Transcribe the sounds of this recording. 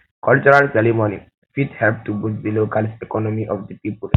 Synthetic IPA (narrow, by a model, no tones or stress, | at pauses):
kɔlt͡ʃuɾalseɾimonḭ | fiʈhɛlp̚ʈubud͡ʒd̪ilokalsekɔnomiʔɔfd̪ipiːpul